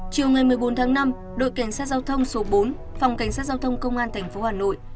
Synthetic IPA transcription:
t͡ɕi˨˩əwŋaː˨˩jmɨ˨˩əjɓo˨˦nt̪ʰaː˨˦ŋna˧m | ɗo̰˧˨jka˧˩ŋ̟saː˦˥t̚zaː˧wt̪ʰə˧wŋ͡mso˨˦ɓo˨˦n | fa˨˩wŋ͡mka˧˩ŋs̬aː˦˥t̚za˧wt̪ʰə˧wŋ͡mkə˧wŋ͡mʔaː˧nt̪ʰɛ˨˩jŋ̟fo˨˦haː˨˩no̰˧˨j

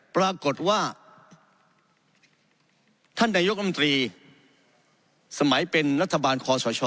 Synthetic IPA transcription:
pɾaː˧ko˨˩t̪̚waː˥˩ | t̪ʰa˥˩nːaː˧jo˦˥ɾʰmo˧t̪ɾiː˧ | sa˧ma˩˦jpe˧nɾa˦˥t̪ʰːa˧baː˧nkʰɔː˧sʰɔː˨˦t͡ɕʰɔː˧˩

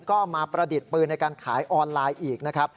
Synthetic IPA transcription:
kɔː˥˩maː˧pɾa˧di˨˩t̪̚pɯː˧na˧jkaː˧nkʰaː˩˦jʔɔː˧nlaː˧jʔiː˨˩k̚na˦˥kʰɾa˦˥p̚

